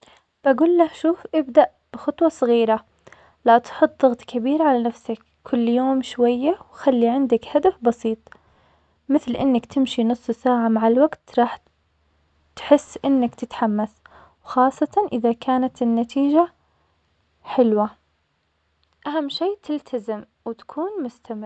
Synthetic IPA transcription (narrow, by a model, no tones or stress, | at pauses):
b̥aɡuːlːahʃuːfʔɪbd̪aʔ | b̥ɪxɑt̪ˤwɑsˤɨɣiːɾa | lat̪ħʊt̪ˤðɑɣt̪ˤkʰabiːɾʕalanafsak | kʰʊlːjoːmʃwajːawxalːiʕɪnd̪akhad̪afbɑsiːt̪ˤ | mɪθlʔɪnːakt̪ʰɪmʃinʊsˤːsaːʕamaʕalwaɡt̪ɾˤɑːħ | t̪ħɪsːʔɪnːakt̪ɪt̪ħamːaθ | wxɑːsˤːɑt̪ɑnʔɪðakʰaːnat̪ɪnːat̪ʰiːd͡ʒa | ħɪlwa | ʔaɦamːʃeːt̪ɪlt̪ʰazɪm | wɪt̪ḁkʰuːnmʊst̪ʰamɪɾ